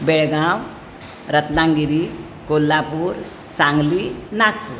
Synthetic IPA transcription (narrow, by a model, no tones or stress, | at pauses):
beɭɡãw | ɾət̪nãŋɡiɾi | kolːapuːɾ | sãŋɡlinakːu